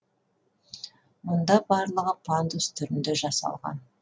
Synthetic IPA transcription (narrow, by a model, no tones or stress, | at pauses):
mʊnd̪ɑbɑɾlˠəʁəpʰand̪ust̪ʰʏɾɪnd̪eʒɑsɑ̰lˠʁɑ̰n